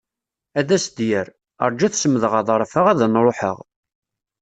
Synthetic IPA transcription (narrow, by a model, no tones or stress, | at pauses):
æðæsd̪jəɾ | ə̰ɾˤd͡ʒæθsəmːəðʁɑðˤəɾˤfəʁæðænɾˤoħə̰ʁ